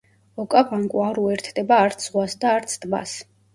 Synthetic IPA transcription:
ɔkʼavaŋkʼuaɾuɛɾt̪ʰd̪ɛbaːɾt̪sʰzʁwasd̪aːɾt̪sʰd̪ba̰s

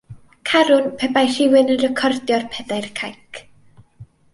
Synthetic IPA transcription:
kʰaɾʊnpʰɛbajr̥ɪwɪnənrəkʰɔrdjɔrpʰɛdarkʰajkʰ

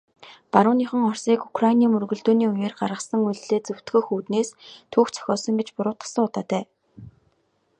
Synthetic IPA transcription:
paɾʊːniχə̆ŋɔrsiːkukʰrainiːmɵrɣɵ̆ɮt̪uːniːujeːrɢarʁə̆sə̆ŋuɮɮeːt͡sɵw̥t̪ɡɵ̆xuːt̪neːst̪ʰuːxt͡sʰœ̥xʲɔːsɞ̆ŋɡet͡ɕpʊɾʊːt̪ə̥̆sə̆ŋʊt̪aːt̪ʰæː

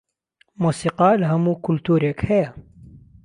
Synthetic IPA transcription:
muːsiqɑlɦamukʊlt̪uːɾakheja

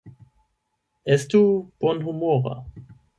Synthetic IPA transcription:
ɛstub̥ɔnhumoːʁa̰

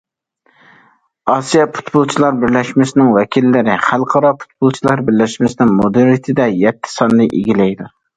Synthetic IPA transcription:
ɑsijɛpʰu̥t̪bolˠt͡ʃʰilˠɑɾbɪɾlɛʃmɪsɪnɪŋwɛkʲʰilːɪɾɪχælˠqʰɑɾɑpʰu̥t̪̚bolˠt͡ʃʰilˠɑɾbɪɾlɛʃmɪsɪnɪŋmod̪ɨɾt̪ʰɪd̪ɛjɛt̪ʰːɪ̥sɑnːɨʔeɡʲilɛjd̪u

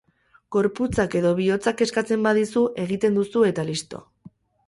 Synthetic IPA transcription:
ɡ̥o̞ɾput͡sake̞ðo̞β̞io̞t͡sake̞skat͡se̞mbaðisuʔe̞ɣ̞it̪e̞nd̪usue̞t̪alist̪o̞̰

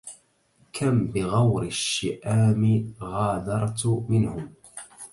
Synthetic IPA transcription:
kʰambɪɣawɾɪʃːɪʔaːmɪɣɑːd̪ɑɾˤt̪mɪnhʊm

